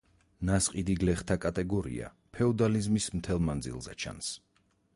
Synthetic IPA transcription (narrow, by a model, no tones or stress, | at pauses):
nasqʼid̪iɡlɛχt̪ʰakʼat̪ʼɛɡɔɾḭa̰ | pʰɛɔd̪alizmismt̪ʰɛlˠmand̪zḭlˠzɛ̰t͡ʃʰa̰ns